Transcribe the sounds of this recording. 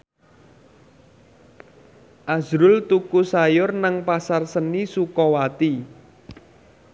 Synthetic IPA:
ʔazɾʊlt̪ukusajʊrnaŋpasarsənisukɔwat̪i

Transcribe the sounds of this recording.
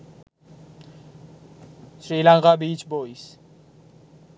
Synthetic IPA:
sɾilaŋkʼabit͡ʃʰbɔis

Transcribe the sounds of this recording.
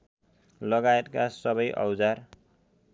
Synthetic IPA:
lʌɡajet̪kasʌbʌjʔʌ̰wd͡zar

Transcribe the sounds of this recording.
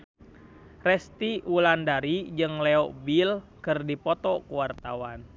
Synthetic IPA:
rɛst̪iulandaɾid͡ʒɨŋlɛɔbilkɨrdipɔt̪ɔkuwart̪a̰wan

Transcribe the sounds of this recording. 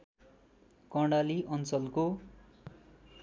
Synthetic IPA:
kʌɽaliʔʌnt͡sʌlko

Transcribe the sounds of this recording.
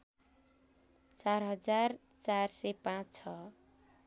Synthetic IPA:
t͡sarɦʌd͡zar | t͡sarsepãt͡st͡sʰʌ

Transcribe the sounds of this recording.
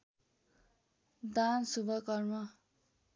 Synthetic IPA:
d̪ansubʱʌkʌrmʌ

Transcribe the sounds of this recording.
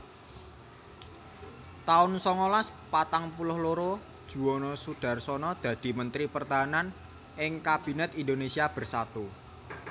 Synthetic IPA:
t̪aʊnsɔŋɔlaspat̪aŋpulʊhloɾo | d̥ʒ̥ṳonɔsud̥a̤rsɔnɔd̪̥ä̤d̪̥i̤mənt̪ɾipərt̪aɦanan | ɪŋkab̥i̤nɛt̪indonesiab̥ə̤rsat̪u

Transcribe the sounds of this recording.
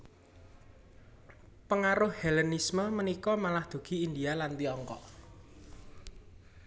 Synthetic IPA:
pəŋaɾʊhhɛlɛnisməmənikɔmalahd̪̥o̤ɡ̥i̤ind̪ialant̪iɔŋkɔ̰ʔ

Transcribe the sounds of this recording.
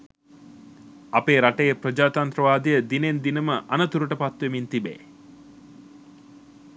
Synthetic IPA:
ɐpeːɾaʈejepɾɐd͡ʒaːt̪ant̪ɾəʋaːd̪ijəd̪inend̪inɐməʔɐnɐt̪uɾuʈəpat̪ʋemint̪ibḛː

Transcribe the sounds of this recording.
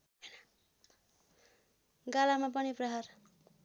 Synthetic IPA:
ɦʌjnʌ | ɡalamapʌniprʌɦar

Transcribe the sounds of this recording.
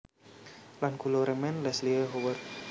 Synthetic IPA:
lankuloɾəmɛnlɛsliəɦowərt̪̚

